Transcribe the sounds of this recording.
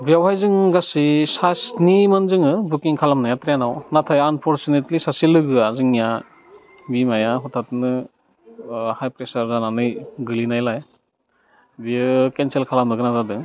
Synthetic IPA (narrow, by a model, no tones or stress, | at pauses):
biawɦajzɯŋɡasisasnimɯnzɯŋɯbukiŋkʰalamnajatɾjanawnatʰajanpʰɔɾt͡ʃunetlisasilɯɡɯazɯŋija | bimajaɦɔtʰatnɯ | hajpɾesaɾzananɯjɡɯlinajlaj | biɯkenselkʰalamnɯɡɯnatʰadɯŋ